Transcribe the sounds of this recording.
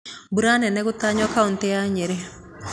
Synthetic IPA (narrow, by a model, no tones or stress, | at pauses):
buɾanɛnɛɣutaɲɔkauntɛjaɲeɾe